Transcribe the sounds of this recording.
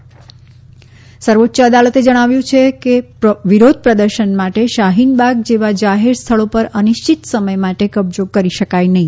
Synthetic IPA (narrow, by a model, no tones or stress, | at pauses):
səɾʋotːʃəəd̪alət̪ed͡ʒəɽ̃aʋjũt͡ʃʰekepʋiɾod̪̚ʱpɾəd̪əɾʃənmaʈeʃaɦinbaɡd͡ʒeʋad͡ʒaɦeɾst̪ʰəɭopəɾəniʃt͡ʃit̪səməjmaʈekəbd͡ʒokəɾiʃəkajnəɦĩ